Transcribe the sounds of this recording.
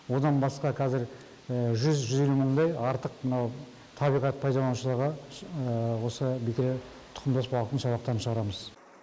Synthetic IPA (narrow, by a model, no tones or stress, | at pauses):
wo̞d̪ɑnbɑsqɑqʰɑzɪɾ | əʒʏzʒʏzje̞luməɴd̪ɑjɑɾt̪əq̚mənɑw | t̪ʰɑbijʁɑt̪̚pʰɑjd̪ɑlˠɑnuʃəlˠəɾʁə | wo̞səbekʲɪɾe | t̪ʰʊ̥qʰəmd̪ɑsbɑlˠət̪əɴsɑbɑq̚t̪ɑɾənʃəʁɑɾɑməz